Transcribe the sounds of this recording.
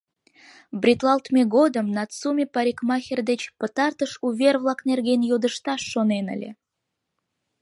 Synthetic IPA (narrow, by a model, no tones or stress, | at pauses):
brʲit̪lˠɑlt̪mʲeɡod̪əmnɑt̪t͡sumʲepɑɾʲikmɑxʲerd̪et͡ɕpət̪ɑrt̪əʃuvʲervlˠɑknerɡʲenjod̪ə̆ʃt̪ɑʃːonenə̰lʲḛ